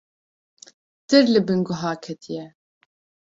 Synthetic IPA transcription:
d̪̥ɨɾlɨbɨŋɡʊɦaːkʰɛt̪ʰijɛ

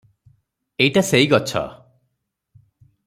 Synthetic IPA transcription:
ejʈaseiɡɔt͡ʃʰɔ̰

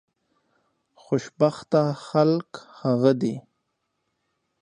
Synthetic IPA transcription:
xoʃbaxt̪axalkhaɣəd̪i

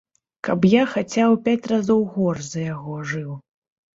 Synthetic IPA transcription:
kɐpjaxat͡sʲawpʲat͡sʲrazɔwɣɔrzɐjaɣɔʐɨw

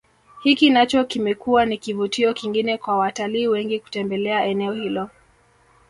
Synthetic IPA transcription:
hikinat͡ʃɔkimɛkuwanikivutiɔkiŋɡinɛkwawataliːwɛŋɡiku̥tɛmbɛlɛaʔɛnɛɔhilɔ

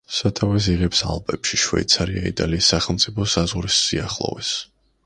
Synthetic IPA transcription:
sat̪ʰavɛs̬iʁɛpsa̰lˠpʼɛpʃiʃwɛ̰it̪sʰaɾia̰it̪ʼaliːsːaχɛlˠmt̪sʼipʰɔsazʁuɾisːiaχlˠɔ̰vɛs

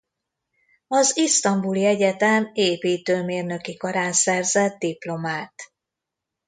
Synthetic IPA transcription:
ɒzist̪ɒmbuliɛɟɛt̪ɛmeːpiːt̪øːmeːrnø̞kikɒɾaːnsɛrzɛt̪̚d̪iplo̞maːt̪

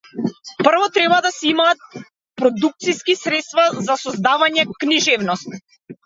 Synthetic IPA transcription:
pr̩vɔt̪ɾɛβad̪asɛimaːt̪̚ | pɾɔd̪uk̚t̪siskisɾɛt̪st̪vazasɔzd̪avaɲɛkniʒɛvnɔst̪̚

